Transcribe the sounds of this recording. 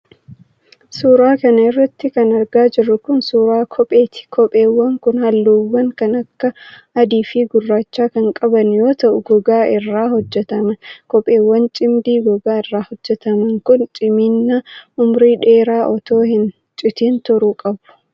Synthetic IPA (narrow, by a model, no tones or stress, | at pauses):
suːɾaːkɐnɐɪrːɐt̪ːɪkɐnɐɾɡaːd͡ʒɪrːʊkʊnsuːɾaːkʰɔpʼeːt̪ɪ̥kʰɔpʼe̞ːwːɐŋkʊnhɐlːuːwːɐŋkɐnɐkːɐ | ɐd̪iːfɪɡʊrːaːt͡ʃːaːkɐŋkʼɐbɐnjo̞ːt̪ɐʔʊɡɔɡaːɪrːaːhɔd͡ʒːɛt̪ɐmɐkɔpʼːe̞ːwːɐnt͡ʃʼɪmd̪iːɡɔɡaːɪrːaːhɔd͡ʒːɛt̪ɐmɐŋkʊnt͡ʃʼɪminːɐʊmɾiːᶑe̞ːɾaːʔɔt̪o̞ːhɪn | t͡ʃʼɪt̪iːnt̪ʊɾuːkʼɐbʊ̥